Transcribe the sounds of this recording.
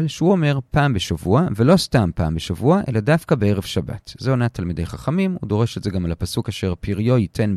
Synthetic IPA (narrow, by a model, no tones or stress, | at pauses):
lʃeuo̞me̞ʁpaːmbeʃavuave̞lo̞stampa̰ːmbeʃavuaʔe̞̰ladafkabeeʁevʃaba̰tzeonatalmid̪e̞jχaχamimhṵdo̞ʁe̞ʃetzeɡamalapasukaʃe̞ʁpiʁjo̞jitʰe̞n